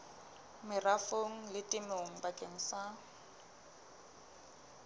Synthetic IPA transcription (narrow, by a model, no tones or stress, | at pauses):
mɪrafoŋ̩lɪtʼɪmeŋ̩bakʼeŋ̩sa